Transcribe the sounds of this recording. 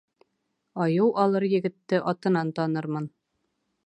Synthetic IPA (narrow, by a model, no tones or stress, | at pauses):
ɒjɤwɒlˠɤɾjɘ̆ɡɘ̆t̪ːɘʔɒt̪ɤ̆nɑnt̪ɒnɤɾmɤn